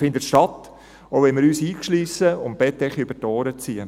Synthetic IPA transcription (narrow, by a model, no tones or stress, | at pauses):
fɪnd̪ətʃtɑt̪ | oʊʋɛnmɪɾyːsiːkʃliːsəʊmb̥ɛt̪ːɛχiʏb̥ətɔːɾət͡siə